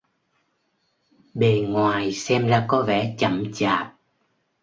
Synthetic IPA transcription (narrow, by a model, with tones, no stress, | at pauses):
ɓe˨˩ŋwaː˨˩jsɛ˧mla̰ː˧˩kɔ˨˦vɛ̰˧˩t͡ɕə˧˩mt͡ɕaː˨˩t̚